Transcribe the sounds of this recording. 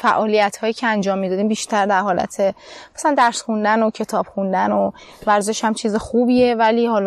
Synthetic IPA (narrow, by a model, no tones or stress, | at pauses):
fæʔɒːlijæt̪hɒːjiːcʰeænd͡ʒɒːmːid̪ɒd̪iːmbiːʃt̪ʰæɾd̪æɾɦɒːlæ̰t̪ʰe̞mæsælænd̪æɾsxund̪ænocʰe̞t̪ʰɒːb̥xund̪æno | væɾze̞ʃhæmt͡ʃʰiːzexuːbiːe̞væliːhɒːl